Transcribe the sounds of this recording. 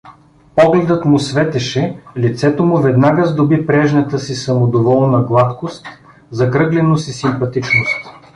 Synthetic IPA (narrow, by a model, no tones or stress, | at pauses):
pɔɡlɛd̪ət̪mʊsvɛt̪ɛʃɛlit̪sɛt̪omʊvɛd̪naɡəzd̪obipɾɛʒnɐt̪əsisɐmod̪ovɔlˠnɐɡlˠat̪kost̪ | zɐkɾɤɡlɛnost̪isimpɐt̪it͡ʃnost̪